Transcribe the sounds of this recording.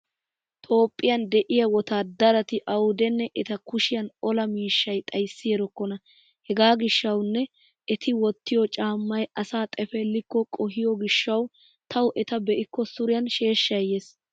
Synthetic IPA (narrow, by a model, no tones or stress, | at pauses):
t̪ʼo̞ːpʼːɪjɐnd̪ɛʔɪjɐwɔt̪aːd̪ɐɾɐt̪ɪʔɐwʊd̪ɛnːɛʔɛt̪ɐkʊʃɪjɐnɔlɐmiːʃːɐjt̪ʼɐjsːɪjɛɾɔkːɔnɐ | hɛɡaːɡɪʃːɐwnːɛ | ɛt̪ɪwɔt̪ːɪjɔt͡ʃʼaːmːɐjɐsaːt̪ʼɛfɛlːɪkːɔkʼɔɦɪjɔɡɪʃːɐw | t̪ʰɐwʔɛt̪ɐbɛʔɪkːɔsʊɾɪjɐnʃe̞ːʃːɐjes